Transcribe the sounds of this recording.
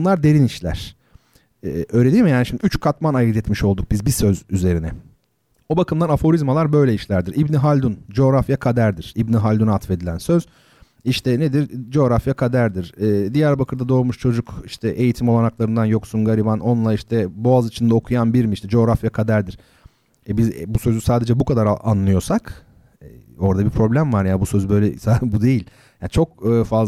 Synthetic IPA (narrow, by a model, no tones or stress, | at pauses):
nlˠaɾd̪e̞ɾiniʃlʲæ̰ɾ̥ | ɛːøːɾeijmijaːniʃimd̪iyt͡ʃkʰat̪manajɯd̪ɛt̪miʃo̞lˠd̪uk̚bizbisø̞zyze̞ɾinɛ | obakʰɯmd̪anafo̞ɾizmalˠaɾbø̞jlʲɛiʃlʲæɾd̪iɾibniɦalʲd̪und͡ʒo̞ːɾafjakʰad̪æɾd̪iɾ̥ibniɦalʲd̪unat̪fe̞d̪ilʲænsø̞z̥ | iʃt̪ʰɛned̪iɾd͡ʒo̞ːɾafjakʰad̪æɾd̪iɾ̥ɛːd̪ijæɾbakʰɯɾd̪ad̪o̞ːɾmuʃt͡ʃʰo̞d͡ʒukiʃt̪ʰɛʔe̞jit̪ʰimo̞lˠanaklˠaɾɯnd̪anjo̞ksunɡaɾʲibano̞nlˠaiʃt̪ʰɛbo̞azit͡ʃʰind̪ɛaokʰujanbiɾmiiʃt̪ʰɛd͡ʒo̞ːɾafjakʰad̪æɾd̪iɾ̥ | ɛbizbusø̞zysaːd̪e̞d͡ʒɛbukʰad̪aɾa̰nlˠɯjo̞sak | ɛo̞ɾd̪abipʰɾo̞blʲæmvaɾjabusøzbø̞jlʲɛsabud̪e̞jilʲ | jant͡ʃʰo̞k̚ɯːfa